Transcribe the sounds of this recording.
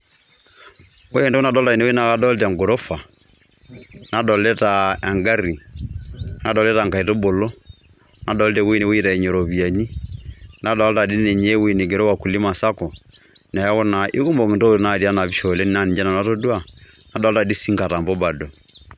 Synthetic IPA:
o˦ɛ˦˨ndo˦u˦na˦˨dɔ˦lta˨i˨ne˦wna˨ka˦dɔ˦ltɛ˨ŋɡo˨ɾo˦fa˨ | na˦dɔ˨lɛ˦ta˨a˨ŋɡa˦ɾi˨ | na˦dɔ˨lɛ˦ta˨ŋka˨i˨to˦bo˨lo˦ | na˨˦dɔ˨˦ltɛ˨we˦ne˦we˦i˦ta˨ɛ˨ɲo˨ɾo˨bi˨a˨ɲi˦ | na˦dɔ˨lta˨di˦nɛ˨ɲe˦wi˦˨ne˨ɡe˨ɾo˦wa˨ku˨li˦ma˨sa˦kɔ˨ | nɛ˨˦kɔ˦na˨ʔɪ˦ku˦mbɔ˨mi˨nto˦˨na˦˨ti˦a˦na˨bi˦ʃo˨lɛ˦ni˦na˦˨ni˨d͡ʒa˦na˨na˦to˦dwa˦˨ | na˨˦dɔ˨˦lta˨di˦si˦ŋka˨ta˨mbɔ˦ba˨do˨

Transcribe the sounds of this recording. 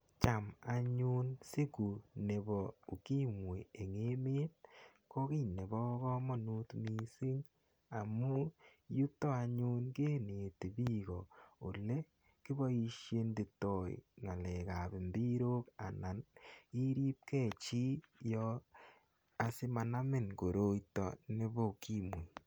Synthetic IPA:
t͡ʃa˨ma˨ɲu˦nse˦ɡu˨ne˨bɔ˨o˨ki˦mwe˨e˨ŋe˦me˦n | ko˦ki˦ɲne˨bɔ˦kɔ˦mɔ˦˨nu˦tmi˨si˦ŋ | a˨mu˦ju˦tɔ˦a˨ɲu˦nke˦ne˨te˨bi˦ɡɔ˨o˨le˦ | ki˦bɔ˦i˧ʃje˦nde˨tɔ˨ḭ˨ŋa˨lɛ˨ka˨bɪ˨mbi˦ɾo˦ka̰˨na˨ni˦ɾi˦p̚kɛ˦˨t͡ʃi˦jɔ˦ | a˨sɪ˦ma˨na˦mɪ˨nko˨ɾo˦jtɔ̰˨ne˦bɔ˦u˨ki˦mwe˨

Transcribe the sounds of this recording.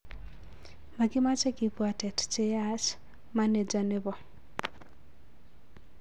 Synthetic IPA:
ma˨ɡɪ˦ma˦t͡ʃɛ˦ki˨pwa˨tɛ˨tt͡ʃe˦at͡ʃ | ma˦ne˨d͡ʒa˨nɛ˦βɔ˨

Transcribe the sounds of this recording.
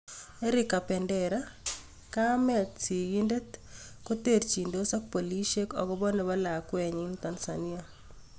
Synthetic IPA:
ɛ˦ɾɪka˨pɛ˨ndɛɾa˦ | ka˦mɛ˨tsi˨ɡi˦nde˦tko˦te˦˨ɾt͡ʃi˨ndo˦sa˦k̚po˨li˦ʃe˦kɔ̰˨ɡɔ˦bɔ˦no˨ba˦la˨kwɛ˨ɲɪ˦nt̪a˨nsani˦a˦

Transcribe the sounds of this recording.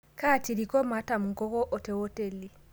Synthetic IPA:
ka˦˨ti˨ɾi˨kɔ˦ma˦ta˨mu˨ŋkɔ˦kɔ˦ʔɔ˨te˨˦wɔ˦te˨li˨

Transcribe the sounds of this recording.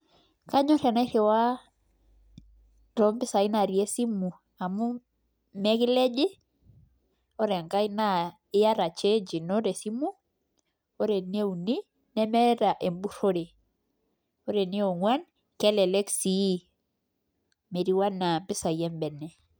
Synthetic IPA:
ka˦ɲɔ˦ɾɛ˨na˦ɾɛ˨wa˦ | ɾɔ˦mpɪ˦sa˨i˦na˨ɾi˨e˦si˦mu˨ | a˨mu˦ | mɛ˦ki˦lɛ˦d͡ʒi˦ | ɔ˦ɾɛ˨ŋka˦i˦na˦ | ɪ˦ja˦ɾa˨t͡ʃe˦d͡ʒi˨nɔ˦ɾe˨si˦mu˦ | o˦ɾe˨ne˦u˨ni˦ | nɛ˦mɛ˦ɾa˨ʔe˨mbu˦ɾo˦ɾe˨ | ɔ˦ɾe˨ni˦e˦wŋwa˦n | kɛ˦lɛ˨lɛ˦ksi˦ | me˨ɾi˦wa˦na˨mpɪ˦sa˨jɛ˦mbɛ˨nɛ˨

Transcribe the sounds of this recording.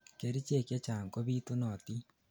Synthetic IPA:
ke˨ɾi˦t͡ʃe˦˨kje˦t͡ʃaː˨ŋko˦βi˦to˦nɔ˨ti˦

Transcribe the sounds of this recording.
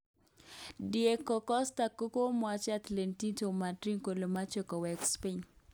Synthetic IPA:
die˨kɔ˨kɔ˦sta˨ko˦ko˦mwa˨t͡ʃa˦t̪le˨nti˦to˨ma˨tɾi˦ŋko˨lo˨ma˦t͡ʃɔ˨kɔ˨wɛ˨kspi˦ɲ

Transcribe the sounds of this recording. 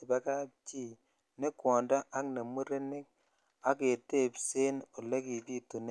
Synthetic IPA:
ɪ˨ba˦ka˦t͡ʃi˦˨ | ne˦kwɔ˨ndɔ˦a˦kna˨mu˦ɾe˦nɪ˦k̚ | a˦ke˨te˦˨pse˦no˨le˦ki˨ti˦tu˨n˦

